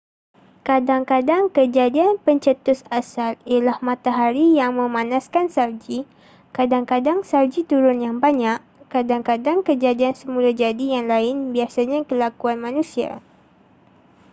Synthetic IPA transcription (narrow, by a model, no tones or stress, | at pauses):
kadaŋkadaŋkəd͡ʒadianpəɲt͡ʃət̪ʊsasalialahmat̪aɦaɾijaŋmə̃manaskansawd͡ʒi | kadaŋkadaŋsawd͡ʒit̪uɾʊnjaŋbaɲaʔkadaŋkadaŋkəd͡ʒadiansəmulad͡ʒadijaŋlaɪnbiasaɲakəlakuanmãnũsia̰